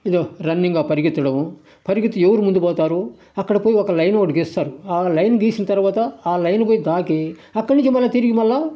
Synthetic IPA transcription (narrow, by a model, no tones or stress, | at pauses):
id̪oːɾɐnːiŋɡaːpɐɾiɡit̪ːɐɽɐm | pɐɾiɡit̪ːueʋɐɾumund̪upɔːt̪aːɾoː | ɐkːɐɽɐpoːjiɔkɐlɐjnokːɐʈiɡiːst̪aːɾuaːlɐjnɡiːsinɐt̪ɐɾuʋaːt̪ɐaːlɐjnpoːjid̪aːkeː | ɐkːɐɽnĩɲt͡ʃimɐlːɐt̪iɾiɡimɐlːaː